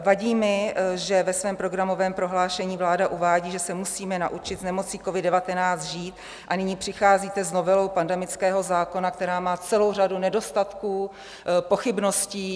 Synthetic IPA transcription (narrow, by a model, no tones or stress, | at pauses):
vaɟiːmɪʒɛvɛsvɛːmpɾo̞ɡɾamo̞vɛːmpɾo̞ɦlaːʃɛɲiːvlaːdaʔuvaːɟiːʒɛsɛmusiːmɛna̰ʔut͡ʃɪd̪znɛmo̞t͡siːkovɪddɛvat̪ɛnaːt͡sd̪ʒiːt̪ | ʔanɪɲiːpr̥ɪxaːziːt̪ɛzno̞vɛlo̞wpandɛmɪt͡skɛːɦo̞zaːko̞nakt̪ɛɾaːmaːt͡sɛlo̞wr̝adunɛdo̞st̪at̪kuː | po̞xɪbno̞sciː